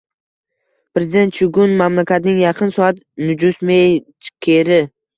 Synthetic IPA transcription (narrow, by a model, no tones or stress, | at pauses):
pɾe̞zɪd̪e̞nt̪t͡ʃʊɡʊnmamlakʲat̪nɪŋjɑqʰɨnsɒat̪ | nʊd͡ʒʊsmejt͡ʃʰkʲʰeɾɪ